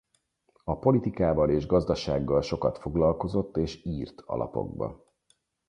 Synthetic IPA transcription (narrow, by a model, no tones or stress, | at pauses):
ɒpo̞lit̪ikaːvɒleːʒɡɒzd̪ɒʃaːɡːɒlʃo̞kɒt̪fo̞ɡlɒlko̞zo̞t̪ːeːʃiːrt̪ɒ̰lɒ̰po̞̰ɡ̚bɒ̰